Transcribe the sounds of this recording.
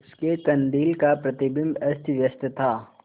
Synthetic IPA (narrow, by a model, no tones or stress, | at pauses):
skekɐ̃nd̪iːlkapɾɐt̪ɪbɪmbɐst̪ʋjɐst̪ət̪ʰaː